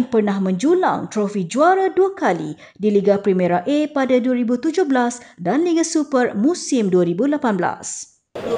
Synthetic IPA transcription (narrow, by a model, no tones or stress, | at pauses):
npərnãhmə̃ɲd͡ʒula̰ŋt̪ɾofid͡ʒuaɾaduakalḭ | diliɡapɾimɛɾaʔepadaduaɾibut̪ud͡ʒʊhblasdanliɡasupərmũsɪmduaɾibulapanbla̰s